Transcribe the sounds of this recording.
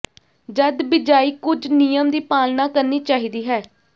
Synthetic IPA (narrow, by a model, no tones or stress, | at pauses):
d͡ʒəd̪bɪd͡ʒaːiːkʊd͡ʒnijəmd̪iːpaːlnaːkəɾniːt͡ʃaːɦiːd̪iːɦɛː